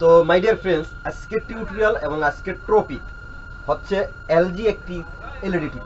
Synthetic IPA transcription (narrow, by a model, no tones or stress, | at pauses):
t̪omajɖiaɾpʰelsaskeʈʈːiuʈɾialeboŋaskeʈʈɾopik | ɦotːɕʰe | eld͡ʑiek̚ʈi | eliɖiʈi